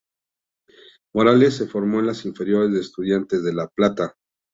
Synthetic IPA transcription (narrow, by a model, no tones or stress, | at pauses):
mo̞ɾale̞sːe̞fo̞ɾmo̞enlasiɱfe̞ɾjo̞ɾe̞zðeːst̪uð̞jant̪e̞zðe̞laplat̪a